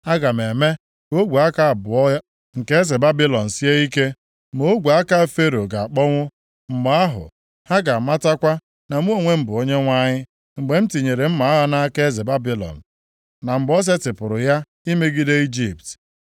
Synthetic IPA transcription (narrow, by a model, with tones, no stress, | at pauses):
a˦ɡa˨m̩˨e˨me˦ | o˦ɡʷu˨a˦ka˦˨bʊ˨ɔ˦ | ŋ̩˨ke˦e˦ze˨ba˦bi˦lɔ˨n̩˨si˦e˦i˦ke˦ | mo˦o˦ɡʷu˨a˦ka˦˨fe˦ɾo˨ɡa˨a˨k͡pɔ˦ŋʷʊ˦ | m̩˨ma˦a˦ɦʊ̰˨ | ha˦ɡa˨ma˦ta˦kʷa˦ | na˨m˦o˦ŋʷe˦m̩˦bʊ˨o˦ɲe˦ŋʷa˦ɲɪ˦ | ŋ͡m̩˨ɡ͡be˨m̩˦ti˨ɲe˨ɾe˨m̩˦ma˨a˦ɣa˦na˦ke˦ze˨ba˦bi˦lɔ̰˨n̩˨ | na˨m̩˨ɡ͡bɔ˦s̬e˦tɪ˨pʊ˨ɾʊ˨ja˦ | i˦me˦ɡi˦de˦i˦d͡ʒi˨p̚t